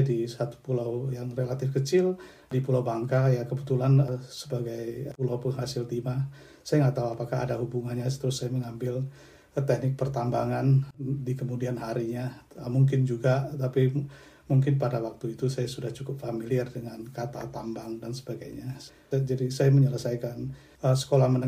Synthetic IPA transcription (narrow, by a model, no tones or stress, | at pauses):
adisat̪u̥pulawjaŋrelat̪ɪfkət͡ʃɪl | dipulawbaŋkajakəbət̪ulanəsəbaɡajpulawpəŋɦasɪlt̪ima | sajaŋat̪auapakaɦa̰daɦubuŋanɲast̪əɾʊsːajaməŋambɪl | t̪ɛhnɪk̚pərt̪ambaŋandikəmudianɦaɾiɲaəmuŋkɪnd͡ʒuɡat̪api | muŋkɪnpadawak̚t̪uit̪usajasudaht͡ʃukʊp̚familiɛrdəŋankat̪a̰t̪ambaŋdansə̥baɡajɲa | d͡ʒadisajaməɲələsajkan | əsə̥kolahmənə